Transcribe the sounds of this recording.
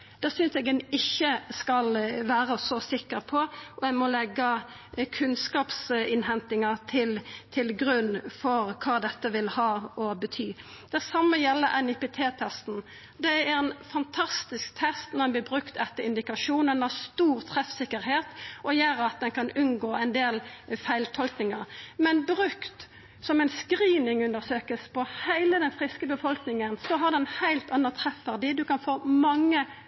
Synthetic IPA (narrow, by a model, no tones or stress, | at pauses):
d̪̥ɛːsʏnsɛɡɛnɪçːəskɑlʋæːɾəsɔsɪkːəɾpʰɔʔɔɛmɔlɛɡːə | kʰʉnskɑːpsɪnhɛnt̪ɪŋət̪ʰɪlt̪ʰɪlɡɾʉnːfɔɾkʰɑːd̪ɛt̪ːəʋɪlhɑːɔbət̪ʰyː | d̪̥ɛsɑmːəjɛlːəʔɛnɪpeːt̪ʰeːt̪ʰɛst̪n̩ | d̪ɛæɾɛnfɑnt̪ʰɑst̪ɪskt̪ʰɛst̪nɔɛnb̪ɪːbʁʉkt̪ɛt̪ːəɾɪnd̪ɪkɑʂuːnənɑst̪uːʁt̪ʰʁɛfsɪkːəɾheːt̪ʔɔjæːɾəɑt̪̚d̪ɛnkɑnʉnɡoːæɛɪnd̪eːlfæɪlt̪ʰɔlknɪŋəɾmɛnbɾʉkt̪ | sɔmæɪnskɾiːnɪŋʉnd̪əʁsøːkəspʰɔhæɪləd̪ɛnfʁɪskəbəfɔlknɪŋənsɔɦɑʁd̪ɛnhæɪlt̪ɑnːət̪ʰʁɛfːæʁd̪ɪd̪ʉkɑnfoːmɑŋːə